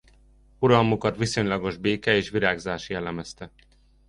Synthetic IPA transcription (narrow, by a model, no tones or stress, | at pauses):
uɾɒlmukɒt̪ʋiso̞ɲlɒɡo̞ʒbeːkɛeːʃʋiɾaːɡzaːʃjɛlɛmɛst̪ɛ